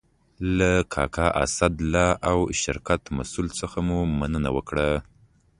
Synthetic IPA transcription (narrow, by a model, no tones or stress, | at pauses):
lakʰɑ̰kʰɑʔa̰sad̪lɑʔawʃɪɾkat̪ma̰sult͡səxamumanəna̰wəkɽa